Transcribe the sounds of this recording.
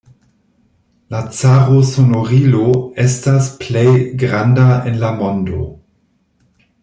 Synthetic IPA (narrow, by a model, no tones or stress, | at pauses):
lat͡saʁosonoʁiloestasplejɡʁandaenlamondo̰